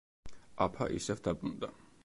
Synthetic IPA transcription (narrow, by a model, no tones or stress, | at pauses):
apʰa̰ʔḭsɛvd̪abʼɾund̪a